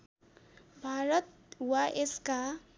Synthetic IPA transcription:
bʱaɾʌt̪̚ | waʔeska

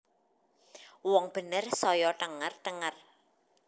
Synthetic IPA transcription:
wɔŋb̥ə̤nərsɔjɔt̪əŋərt̪əŋər

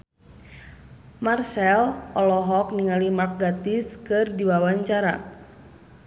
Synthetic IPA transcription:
marsɛlʔɔlɔɦɔk̚niŋalimak̚ɡat̪iskɨrdiwawaɲt͡ʃaɾa̰

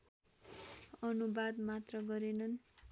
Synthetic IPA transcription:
ʌnubad̪mat̪rʌɡʌɾenʌn

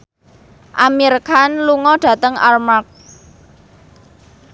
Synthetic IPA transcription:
ʔamirkʰanluŋɔɖ̥a̤t̪əŋa̰rmak̚

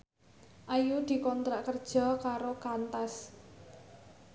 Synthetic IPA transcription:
ʔajud̪̥i̤kɔnt̪ɾaʔkərd̥ʒ̥ɔ̤kaɾokant̪as

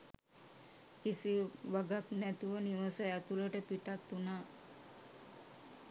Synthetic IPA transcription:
kisiʋaɡaknɛt̪uʋəniʋəsəɛt̪uləʈəpiʈat̪ːuna

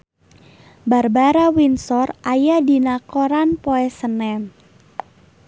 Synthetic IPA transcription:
barbaɾawinsɔrʔajadinakoɾanpoɛsənɛn

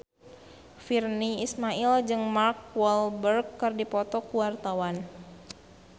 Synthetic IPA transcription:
firniismaild͡ʒɨŋmarkwɔlbərkːɨrdipɔt̪ɔkuwart̪awan

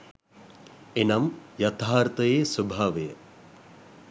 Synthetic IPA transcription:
enɐmjɐt̪ʰaːɾt̪ɐjeːsubʱaʋɐjɐ

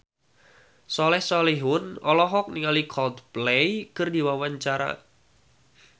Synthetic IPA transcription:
sɔlɛhsɔliɦʊnɔlɔɦɔk̚niŋalikʰɔld̪̚plejkərdi̤wawaɲt͡ʃaɾa̰

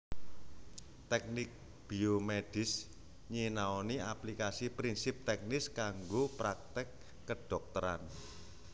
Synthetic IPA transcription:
t̪ɛk̚nɪk̚ | b̥iomeɖ̥ɪ̤s | ɲinaɔniaplikasipɾinsɪp̚t̪ɛk̚nɪskaŋɡopɾak̚t̪ɪkː | əɖ̥ɔk̚t̪əɾan

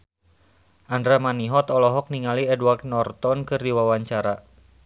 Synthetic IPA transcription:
ʔandɾamaniɦɔt̪ɔlɔɦɔk̚niŋaliɛdwart̪nɔrt̪ɔnkɨrdiwawaɲt͡ʃaɾa

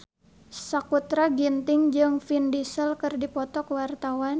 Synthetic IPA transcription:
sakut̪ɾaɡint̪ɪŋd͡ʒɨŋfindisəlkɨrdipɔt̪ɔkwart̪awan

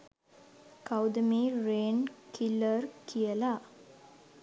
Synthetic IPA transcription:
kawd̪əmiːɾeːnkʰilərkʰijəla

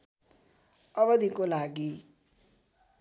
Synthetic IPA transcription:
ʌβʌd̪ʱikolaɡi

